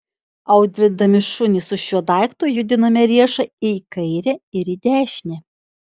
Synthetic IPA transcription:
ɐʊd̪ʲɾʲɪd̪ɐmʲɪʃʊnʲɪsʊʃʲuɔd̪ɑˑɪkt̪ujʊd̪ʲɪnɐmʲɛɾʲiɛʃɐɪkɐɪɾʲɛɪɾid̪ʲæːʃʲnʲɛ

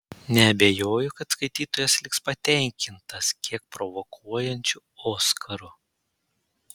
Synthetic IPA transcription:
nʲɛɐbʲejoːjʊkɐt̪skɐɪt̪ʲiːt̪oːjɛslʲɪkspɐt̪ʲɛˑŋʲkʲɪnt̪ɐskʲiɛk̚pɾɔʋɔkʰuɔjɛnʲt͡ʃʲʊ | oːskʰɐɾʊ

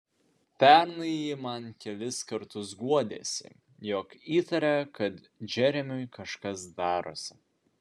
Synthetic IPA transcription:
pʲɛɾnɐjimɐnkʲɛlʲɪskɐɾt̪ʊsɡuɔd̪ʲeːsʲɪ̰ | jɔkiːt̪ɐɾʲɛkɐt̪ | d͡ʒʲɛɾʲɛmʲʊjkɐʃkɐsd̪ɑːɾoːsʲɪ̥

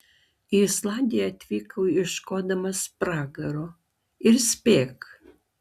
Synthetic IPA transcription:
islanʲd̪ʲijat̪vikʰɐwirʃkod̪ɐmɐspraɡɐɾo | irspek

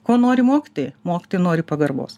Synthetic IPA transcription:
koːnoːɾʲɪmoːkʲɪ̥t̪oːjmoːkʲɪ̥t̪oːjɪnoːɾʲɪpɐɡɐrbo̰ːs

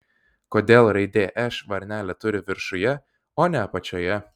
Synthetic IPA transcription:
koːd̪ʲeːlˠɾɐɪd̪ʲeːʔɛʃʋɐɾʲnʲæːlʲɛt̪ʊɾʲɪʋʲɪɾʃʊjɛ | oːnʲɛɐpɐt͡ʃʲoːjɛ

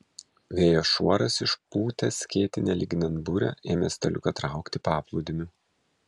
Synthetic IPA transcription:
ʋʲeːjoːʃuɔɾɐsɪʃpuːt̪ʲɛsʲkʲeːt̪ʲɪnʲɛlʲiɡʲnʲɛnbʊɾʲɛ̰ʔeːmʲest̪ʲɐlʲʊ̰kɐt̪ɾɑˑʊkt̪ʲɪpɑːplˠuːd̪ʲɪmʲʊ

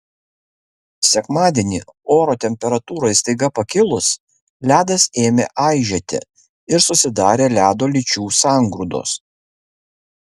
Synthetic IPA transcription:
sʲɛkmɑːd̪ʲeːnʲiːoːɾoːt̪ʲɛmʲpʲɛɾɐt̪uːɾoːjst̪ɐɪɡɐpɐkʲɪlˠʊs | lʲæːd̪ɐseːmʲeːʔɑɪʒʲɛt̪ʲɪ̰ | ɪɾsʊsʲɪd̪ɑːɾʲeːlʲæːd̪oːlʲɪt͡ʃʲuːsɑˑŋɡɾuːd̪o̰s

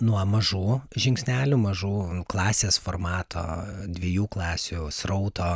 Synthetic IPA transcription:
nuɔmɐʒuːʒʲɪŋksʲnʲæːlʲʊmɐʒuːklˠɑːsʲeːsformɑːt̪ʰo̰ːd̪ʲʋʲiɛjuːklˠɑːsʲusɾɔʊt̪ʰoː

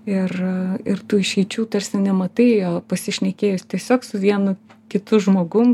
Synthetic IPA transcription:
ɪrɪrt̪uːɪʃʲɛɪt͡ʃʲuːt̪ɐɾʲsʲɪnʲɛmɐt̪ɐɪjoːpɐsʲɪʃʲnʲɛkʲeːjʊsʲt̪ʲiɛsʲoːksʊʋʲiɛnʊkʲɪt̪ʊʒmoːɡʊm

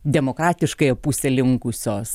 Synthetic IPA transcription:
d̪ʲɛmoːkɾɑːt̪ʲɪʃkɐɪɐpusʲɛlʲɪŋkʊsʲoːs

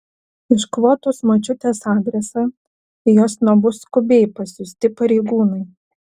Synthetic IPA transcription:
ɪʃkʋoːt̪oːsmɐt͡ʃʲʊt̪ʲeːsɑːd̪ʲɾʲɛsɑː | joːsnobʊskʊbʲɛɪpɐsʲʊsʲt̪ʲɪpɐɾʲɛɪɡuːnɐɪ

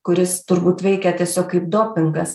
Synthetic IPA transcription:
kʊɾʲɪst̪ʊɾbuːt̪ʋʲɛɪkʲɛt̪ʲiɛsʲoːkkːɐɪp̚d̪oːpʲɪŋɡɐs

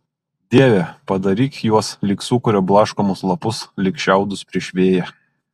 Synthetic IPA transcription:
d̪ʲiɛʋʲɛpɐd̪ɐɾʲiːkjuɔslʲɪksuːkʊɾʲoːblˠɑːʃkomʊslˠɐpʊslʲɪkʃʲæˑʊd̪ʊspʲɾʲɪʃʲʋʲeːjɛ

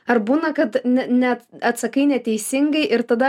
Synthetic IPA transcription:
ɐɾbuːnɐkɐt̪nʲɛnʲɛt̪ɐt̪sɐkɐɪnʲɛt̪ʲɛɪsʲɪŋɡɐɪʔɪɾt̪ɐd̪ɐ

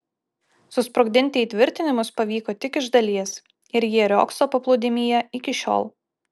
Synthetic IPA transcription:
sʊspɾʊɡ̚ʲd̪ʲɪnʲt̪ʲɛt̪ʲʋʲɪɾʲt̪ʲɪnʲɪmʊspɐʋʲiːkoːt̪ʲɪkɪʒd̪ɐlʲiɛs | ɪɾjiɛɾʲo̰ːksoːpɐplˠuːd̪ʲɪmʲiːjɛɪkʲɪʃʲo̰ːlˠ

